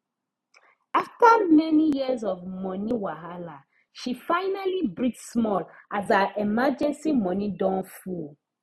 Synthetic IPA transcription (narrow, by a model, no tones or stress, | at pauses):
aftəmɛnijizɔvmɔniwaɦala | ʃifaɪnalibɹitsmɔlʔazaʔɛmad͡ʒɛ̃nsimɔnidɔ̃nful